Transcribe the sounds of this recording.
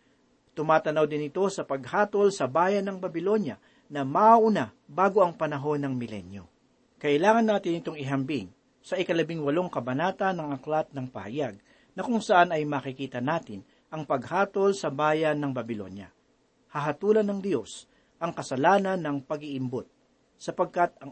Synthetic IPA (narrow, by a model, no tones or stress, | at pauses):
t̪ʊmaːt̪ɐnɐwd̪ɪnɪt̪o̞sɐpɐɡ̚haːt̪o̞lsɐbaːjɐnɐŋbɐbɪlo̞njɐ | nɐmaʔaʔʊna | baːɡo̞ʔɐŋpɐnɐɦo̞nɐŋmɪlɛ̰njo̰ | kɐʔɪlaːŋɐnːaːt̪ɪnːɪt̪o̞ŋɪɦɐmbɪŋ | sɐʔɪkɐlɐbɪŋwɐlo̞ŋkɐbɐnaːt̪ɐnːɐŋɐklat̪̚nɐŋpɐ̰hɐ̰jaɡ̚ | nɐkʊŋsɐʔanɐjmaːkɪkiːt̪ɐnaːt̪ɪn | ʔɐŋpɐɡ̚haːt̪o̞lsɐbaːjɐnːɐŋbɐbɪlo̞̰njɐ̰ | hɐɦɐt̪uːlɐnːɐŋd̪jo̞s | ʔɐŋkɐsɐlaːnɐnːɐŋpɐɡɪʔɪmbot̪̚ | sɐpɐɡ̚kat̪̚ɐŋ